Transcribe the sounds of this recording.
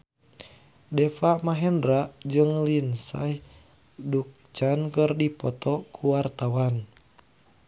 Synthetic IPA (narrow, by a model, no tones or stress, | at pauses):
dɛfamaɦɛndɾaʔd͡ʒɨŋlinsa̰h | duk̚t͡ʃankɨrdipɔt̪ɔkʰuwart̪awan